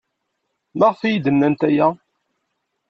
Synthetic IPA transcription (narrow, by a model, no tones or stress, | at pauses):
maʁfijd̪ənːænt̪æjæ